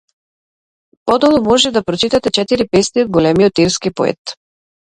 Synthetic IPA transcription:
pɔd̪ɔlˠɔmɔʒɛd̪apɾɔt͡ʃit̪at̪ɛt͡ʃɛt̪iɾipɛst̪iɔd̪̚ɡɔlɛmiɔt̪iɾskipɔ̰ɛ̰t̪

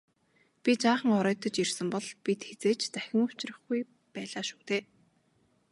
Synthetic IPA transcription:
pʲit͡ɕaːχə̆ŋɔɾœːt̪ə̆t͡ɕirsə̆mpɔɮpit̪xet͡seːt͡ɕt͡sæxʲɪ̆ŋʊ̥t͡ɕrə̆χɡuj | pæːɮaːʃu̥ːt̪eː

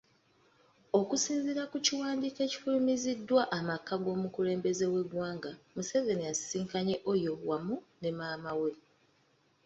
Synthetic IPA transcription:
o̞kusiːnziɾakuciwaːndiːke̞ci̥fulimizidːwaʔamakːaɡo̞ːmukule̞ːmbe̞ze̞we̞ɡwaːŋɡamuse̞venijasiːŋkaɲe̞ʔo̞jo̞wamune̞maːmawe

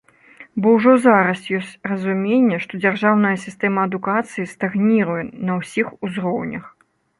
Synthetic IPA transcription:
bɔwʐɔzaɾɐsjɔsʲt͡sʲrɐzumʲenʲːɛʂt̪ɔd͡zʲarʐawnɐjɐsʲist̪ɛmɐːd̪ukat̪sɨjist̪aɣnʲiɾujɛnɐwsʲixuzɾɔwnʲɐ̰x

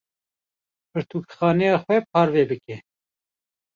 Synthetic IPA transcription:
pɨɾt̪ʰuːkxɑːnɛjɑːxwɛpʰɑːɾvɛːbɨkɛ

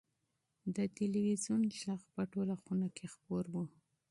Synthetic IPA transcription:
d̪ət̪iliwizunʃaqpəʈolaxunakʰexpoɾwu

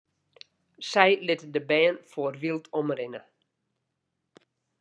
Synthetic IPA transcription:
sɛjlɪtədəbɛːənfoərʋilˠtʰɔmrɪnə

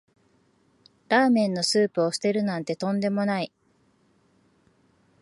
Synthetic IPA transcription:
ɾaːmẽ̞nːo̞sɨːpɯ̟o̞ɕi̥t̪e̞ɾɯ̟nãnt̪e̞t̪õ̞nd̪e̞mo̞nai

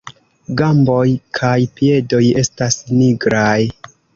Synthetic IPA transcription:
ɡambo̞jkʰajpie̞do̞je̞stasniɡɾaj

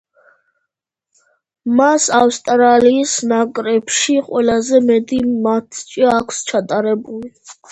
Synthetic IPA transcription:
masafst̪ʼɾaliːsnakʼɾɛpʃiqʼwɛlazɛmɛd̪imat̪ʰt͡ʃʼiakʰst͡ʃʰat̪ʼaɾɛbuli

